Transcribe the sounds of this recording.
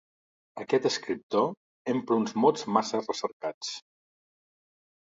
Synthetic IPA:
əkɛt̪əskɾip̚t̪o | empɾunzmozmasərəsəɾkat͡s

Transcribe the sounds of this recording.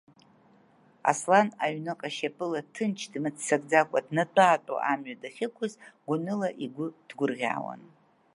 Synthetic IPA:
a̰slanaɥnɨqʼaʃapʼɨlatʰɨnt͡ʃʰdmɨt͡sʰsakʼd͡zakʷʼadnatʷʼaːtʷʼa̰ʔamɥadaχʲɪkʷʰʊzɡʷʊnɨlaʔiɡʷʊd̥ɡʷʊrʁʲa̰ːwa̰n

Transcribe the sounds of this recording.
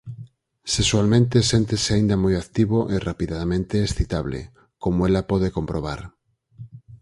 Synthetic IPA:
seswalmẽnt̪esent̪eseaind̪ɐmojakt̪iβoʔerapiðaðamẽnt̪eːsθit̪aβlḛ | komoelapɔðekompɾoβ̞aɾ

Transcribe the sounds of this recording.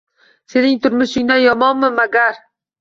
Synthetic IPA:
se̞nɪŋt̪ʰʊɾmʊʃɪŋd̪anjɒmɒnmɪmaɡʲaɾ

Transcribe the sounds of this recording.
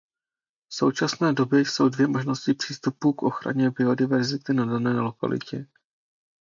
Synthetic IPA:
fso̞̰wt͡ʃasnɛːdo̞bjɛso̞wdvjɛmo̞ʒno̞scɪpr̝̥iːst̪upuːkʔo̞xɾa̰ɲɛbɪo̞dɪvɛɾzɪt̪ɪnadanɛːlo̞ka̰lɪ̰cɛ

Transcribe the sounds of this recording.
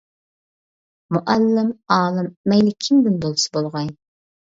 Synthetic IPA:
muʔælːɪmɑːlˠɨmːɛjlɪkʲʰɪmd̪ɪnb̪olˠsɨ̥bolˠʁɑj

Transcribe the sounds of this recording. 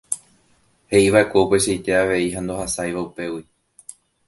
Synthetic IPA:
he̞ʔiʋae̞kʷeupe̞ʃejt̪e̞aʋe̞iɦand̪o̞ɦasajʋaupe̞wi

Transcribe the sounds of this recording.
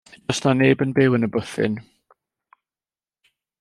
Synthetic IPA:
dɔsnaneːbənbɪwənəbʊθɪ̰n

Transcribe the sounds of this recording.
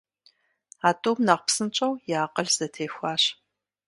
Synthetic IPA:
aːtʼoːmnɐqʷpsɨnt͡ʃʼɐwjaːqʼɐɮz̥ɐtʰeːxʷɑːɕ

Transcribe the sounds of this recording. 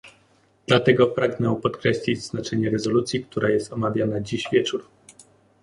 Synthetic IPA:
d̪̥lat̪ɛɡɔpɾaɡnɛpɔt̪kɾɛɕlʲid͡ʑznat͡ʂɛɲɛɾɛzɔlut̪sʲjik̚t̪uɾajɛst̪ɔmavʲjanad͡ʑiɕvʲjɛt͡ʂuɾ

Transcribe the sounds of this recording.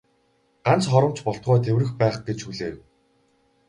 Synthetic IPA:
ɢ̥an̥t͡sχɔɾə̆mt͡ɕpɔɬt̪̚ɢɔːt̪ʰewrɘ̆xpæːχɡ̥et͡ɕxuɮeːw

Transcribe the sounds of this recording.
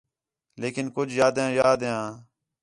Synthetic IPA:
leːkɪnkʊd͡ʒʱjaːd̪ãːjaːd̪jãː

